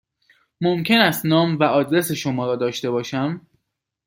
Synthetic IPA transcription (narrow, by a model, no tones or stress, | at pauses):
momcʲʰe̞næst̪nɒːmvæʔɒːd̪ɾe̞se̞ʃomɒːɾɒːd̪ɒːʃt̪e̞bɒːʃæm